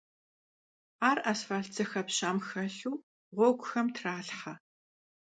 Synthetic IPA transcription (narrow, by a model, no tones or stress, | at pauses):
aːrʔɐsfaːɮt͡sʰɐxɐpɕaːmxɐɬuː | ʁʷɔɡʷʊxɐmtʰraːɬħɐ